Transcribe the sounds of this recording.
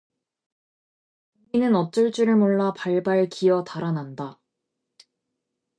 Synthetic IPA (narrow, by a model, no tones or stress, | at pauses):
iinɯnʌt͡ɕ͈ʌɭt͡ɕ͈uɾɯɭmoɭːapaɭbaɭkʰijʌtaɾananda